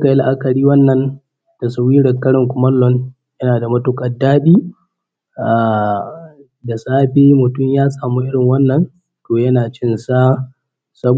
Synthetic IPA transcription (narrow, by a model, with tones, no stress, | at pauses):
ka˨ja˦lʔa˦kɐ˨ɽiː˦wɐ˦nːɐ˦n | d̥a˨sa˨wiː˦ɽɐ˨ŋkɐ˦ɽɪ˨ŋkʷʊ˨mɐ˦lːɔ˦n | jɐ˦naː˨da˨mɐ˦tʊ˦kʼɐ˨daː˦ɗiː˦ | ʔa˨ | da˨saː˦ɸeː˦mʊ˨tʊ˦mjaː˦sʼaː˨muː˦ʔɪ˦ɽɪ˨ŋwɐ˦nːɐ˦n | toː˨jɐ˦naː˨t͡ʃɪ˦nsa˦ | sɐ˦b